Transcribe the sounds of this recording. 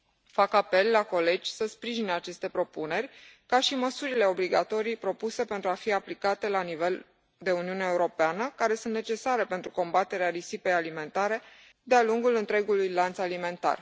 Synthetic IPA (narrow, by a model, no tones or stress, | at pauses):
fakape̞lːako̞le̞d͡ʒʲsəspɾiʒineat͡ʃe̞st̪e̞pɾo̞pune̞rʲkaʃiməsuɾile̞o̞bliɡat̪o̞ɾijpɾo̞puse̞pe̞nt̪ɾuafiaplikat̪e̞lanive̞l | d̪e̞uniuneeuɾo̞peanəkaɾe̞sunt̪ne̞t͡ʃe̞saɾe̞pe̞nt̪ɾuko̞mbat̪e̞ɾeaɾisipe̞jalime̞nt̪aɾe̞ | d̪ealuŋɡulɨnt̪ɾe̞ɡulujlant̪salime̞nt̪a̰r